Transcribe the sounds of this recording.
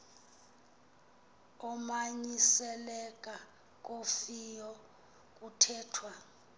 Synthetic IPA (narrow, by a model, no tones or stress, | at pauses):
ɔmaɲisɛlɛkʼa | k̬ʼofijɔ | k̬ʼutʰɛːtʰwa